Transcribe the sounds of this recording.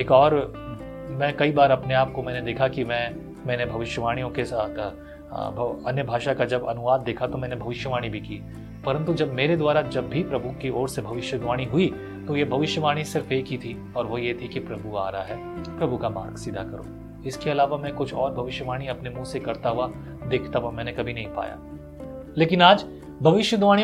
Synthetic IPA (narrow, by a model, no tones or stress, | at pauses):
eːkɔːɾ | mɛ̃ːkɐibaːɾɐpneaːp̚komɛ̃ːned̪eːkʰakimɛ̃ː | mɛ̃ːnebʱɐʋɪʃjəʋaːɽ̃ijõkesaːt̪ʰ | bʱɐ̰njəbʱaːʃakad͡ʒɐbɐnʊʋaːd̪̚ːeːkʰat̪omɛ̃ːnebʱɐʋɪʃjəʋaːɽ̃ibʱikiː | pɐɾə̃nt̪ud͡ʒɐbmeːɾed̪waːɾad͡ʒɐbːʱipɾɐbʱukiɔːɾsebʱɐʋɪʃjəɡʋaːɽ̃iɦʊi | t̪ojebʱɐʋɪʃjəʋaːɽ̃isɪɾfeːkit̪ʰi | ɔːɾʋojet̪ʰikipɾɐbʱua̰ːɾɐɦaɦɛː | pɾɐbʱukama̰ːɾɡsiːd̪ʱakɐɾo̰ː | ɪskeɐlaːʋamɛ̃kʊt͡ʃʰɔːɾbʱɐʋɪʃjəʋaːɽ̃iɐpnemũsekɐɾt̪aɦua | d̪eːkʰt̪aɦuamɛ̃ːnekɐbʱinɐ̃ɦĩpa̰ːja̰ː | leːkɪnaːd͡ʒ | bʱɐʋɪʃjəd̪ʋaːɽ̃i